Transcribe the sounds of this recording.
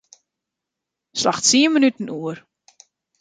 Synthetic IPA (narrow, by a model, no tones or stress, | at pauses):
slaxsiəmənytən̩uər